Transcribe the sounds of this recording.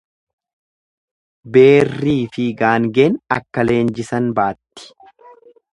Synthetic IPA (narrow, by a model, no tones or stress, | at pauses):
be̞ːrːiːfɪɡaːŋɡeːnɐ̰kːɐle̞ːnd͡ʒɪsɐnbaːt̪ːɪ̥